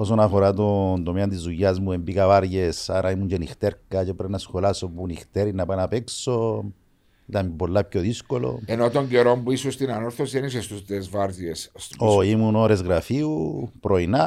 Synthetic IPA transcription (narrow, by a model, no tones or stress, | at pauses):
os̬onafoɾat̪̬ond̪omiand̪is̬ujazmuembikaβaɾjesaɾʔaimund͡ʒenixt̪eɾkat͡ʃepɾenasxolasopunixt̪eɾinapanapekso | d̪ambolap̚kʲjoðiskolo̰enot̪oŋɡjoɾombwisust̪inanoɾθosjenis̬est̪usd̪ezvaɾdjesoimunoɾesɣɾafiupɾojna